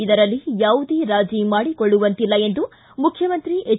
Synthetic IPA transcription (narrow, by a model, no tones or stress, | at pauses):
id̪ɐɾɐlːijaːʋud̪eːɾaːd͡ʒimaːɽikoɭːuʋɐnt̪ilːɐe̞nd̪u | mukʰjɐmɐnt̪ɾiʔe